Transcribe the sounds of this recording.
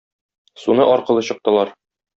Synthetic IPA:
sunɤʔɒɾqɤ̆lˠɤɕɤ̆q̚t̪ɤ̆lˠɑɾ

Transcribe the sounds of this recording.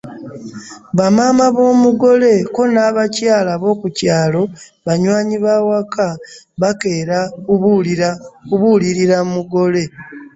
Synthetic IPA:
βamaːmaβo̞ːmuɡo̞le̞ko̞naːβacaːlaβo̞ːkucaːlo̞ | βaɲwaːɲiβawaka | βake̞ːɾakuakuβuliɾiɾamuɡo̞le̞

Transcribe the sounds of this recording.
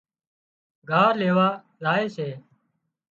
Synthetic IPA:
ɡʱaːɾleːʋaː | laːeːseː

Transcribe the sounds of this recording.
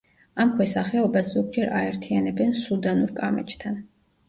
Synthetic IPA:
amkʰwɛsaχɛɔbasz̥ɔɡ̚d͡ʒɛɾa̰ɛɾt̪ʰijanɛbɛnsud̪anuɾkʼamɛ̰t͡ʃʰʼt̪ʰan

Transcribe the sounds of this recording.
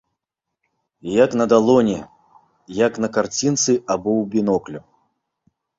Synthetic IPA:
jaknɐd̪alˠɔnʲɛ | jaknɐkart͡sʲint̪sɨʔabɔwbʲinɔklʲu

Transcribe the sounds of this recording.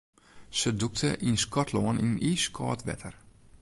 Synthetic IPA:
səduk̚tʰəʔinskʰɔtʰloənḭniːskʰɔ̰ːtʋɛ̰tʰər

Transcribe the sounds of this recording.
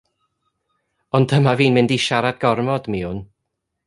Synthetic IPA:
ɔndʰəmaviːnmɪndiʃaɾad̚ɡɔrmɔdmiʊn

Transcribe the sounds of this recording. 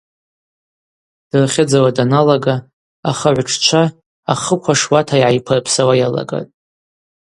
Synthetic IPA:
d̥rχʲɪd͡zawadanalaɡa | aχaʕʷʈ͡ʂʰt͡ʃʷʰa | aχəkʷʰaʂwatʰaiʕajpʰɨrpʰsawajala̰ɡa̰tʼ

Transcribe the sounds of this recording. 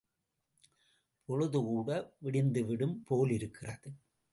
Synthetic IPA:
pʰɔɻɯðɯkuːɽɐʋɪɽɪnd̪ɯʋɪɽɯmpoːlɪɾɯkːɪrɐðɯ

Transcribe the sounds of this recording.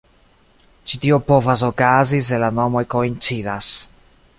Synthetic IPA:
t͡ʃit̪iopovas̬okaziselanomojkoint͡ʃid̪as

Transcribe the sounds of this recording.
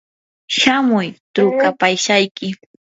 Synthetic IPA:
ʃamʊjt̪ɾʊkapajʃajkɪ

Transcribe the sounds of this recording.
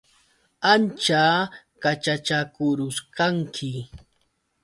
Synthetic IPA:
ant͡ʃaː | kat͡ʃat͡ʃakʊɾʊʃkaŋkʰɪ

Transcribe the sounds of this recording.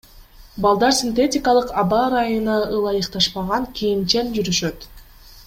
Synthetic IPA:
bɑlˠd̪ɑɾsʲint̪etʲɪkɑlˠɯqɑbɑɾɑjunɯɯlˠɑjɯqt̪ɑʃpɑʁɑŋkʲʰijint͡ʃend͡ʒyɾyʃø̞t̪

